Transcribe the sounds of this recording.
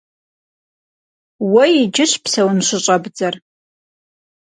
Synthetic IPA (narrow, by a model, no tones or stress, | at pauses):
wɐjid͡ʒɪɕpsɐwʊnɕʷʊɕʼɐbd͡zɐr